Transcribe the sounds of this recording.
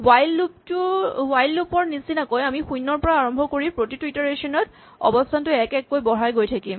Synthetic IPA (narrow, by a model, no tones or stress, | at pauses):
wajlːuptʊwajlːupɔɹnisinakojamixujnːɔɹpɔɹaaɹɔmbʱɔkoɹipɹotitwitɔɹeʃɔnɔt | ɔ̰bɔstʰantʊɛkɛkːojbɔɹajɡojtʰakim